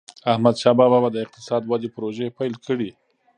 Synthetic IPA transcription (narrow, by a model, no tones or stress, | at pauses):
ahmad̪ʃɑbɑbabad̪əɪq̚t̪ɪ̥sɑd̪wad̪epʊɾoʒepajlkəɽi